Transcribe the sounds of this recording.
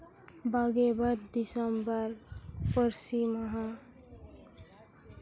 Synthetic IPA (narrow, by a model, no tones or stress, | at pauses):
baɡebəɾd̪isəmbəɾpəɾsiməɦã